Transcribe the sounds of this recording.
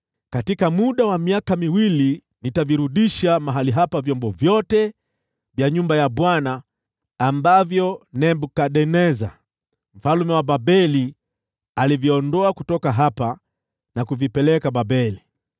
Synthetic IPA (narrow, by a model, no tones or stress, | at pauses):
katikamuɗawamiakamiwili | nitaviɾuɗiʃamaɦaliɦapavjɔmbɔvjɔtɛ | vjaɲumbajaɓwanaː | mbavjɔnɛmbukaɗɛnɛza̰ | m̩falumɛwaɓabɛli | alivjɔɔndɔakutɔkaɦapa | nakuvipɛlɛkaɓabɛli